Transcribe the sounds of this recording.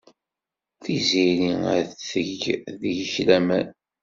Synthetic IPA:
θiziɾiæ̰θəʝðjəçlæmæ

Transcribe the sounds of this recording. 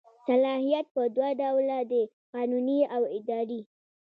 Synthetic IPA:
salɑhijat̪̚pəd̪waɖawlad̪ə | qɑnuniawɪd̪ɑɾi

